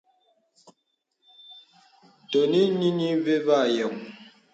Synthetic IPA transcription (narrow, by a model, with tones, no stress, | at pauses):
to˨ni˦ni˦ni˦ve˦va˦˨jə˨ŋ